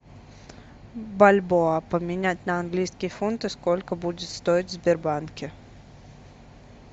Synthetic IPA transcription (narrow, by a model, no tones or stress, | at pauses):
balʲboapəmʲɪnʲætʲnəɐnɡlʲijskʲɪjfunt̪ɨskolʲkəbudʲɪt̪st̪oɪtʲvzbʲɪrbankʲɪ